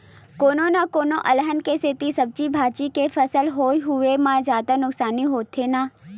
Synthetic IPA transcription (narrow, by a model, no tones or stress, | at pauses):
koːnõnakoːnõʔɐlɦənkeset̪isɐb̚t͡ʃibʱaːt͡ʃikefɐsəlɦoːiɦʊemãd͡ʒaːd̪anʊksaːniɦoːt̪ʰenaː